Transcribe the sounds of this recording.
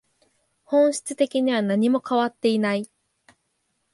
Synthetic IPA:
hõ̞ɰ̃ɕi̥t͡sɨt̪e̞kʲiɲ̟iβ̞anaɲ̟imo̞kaβat̪ːe̞inai

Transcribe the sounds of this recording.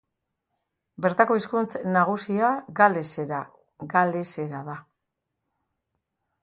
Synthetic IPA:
be̞ɾt̪ako̞iskunt͡snaɣ̞usiaɡaleseɾa | ɡale̞se̞ɾaða

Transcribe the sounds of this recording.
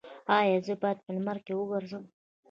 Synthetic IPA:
ɑjɑzəbɑjad̪̚pəlmaɾkewəɡəɾzəm

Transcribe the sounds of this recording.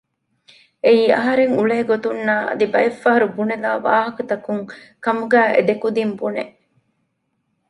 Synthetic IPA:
eiːɐ̰ɦɐɾeŋuɭeːɡot̪unːaːɐ̰d̪ibɐefːɐɦɐɾubunelaːʋaːɦɐkɐt̪ɐkuŋkɐmuɡæːʔḛd̪ekud̪imbuneʔ

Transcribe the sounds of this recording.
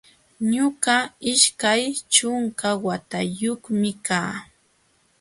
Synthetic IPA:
ɲʊɢaɪʃkajt͡ʃʊŋkawat̪ajoχmɪkaː

